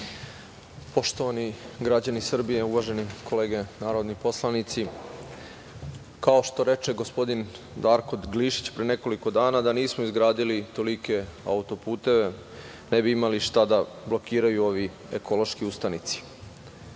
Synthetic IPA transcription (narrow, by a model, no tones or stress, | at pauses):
po̞ʃt̪o̞ʋaniɡɾad͡ʑanisr̩bije̞uʋaʒe̞nikʰo̞leːɡe̞naːɾo̞d̪nipo̞slˠanit̪si | kao̞ʃt̪o̞ɾe̞t͡ʃe̞ɡo̞spo̞d̪in | d̪aɾko̞d̪ɡliʃi̥t͡ɕpɾene̞ko̞liko̞d̪aːnad̪aniːsmoizɡɾaːd̪ilit̪o̞like̞a̰ut̪o̞puːt̪e̞ʋe̞ | nebiimaliʃt̪ad̪a | blo̞kiːɾajuo̞ʋi | ekʰo̞lˠo̞ʃkiust̪anit̪si̥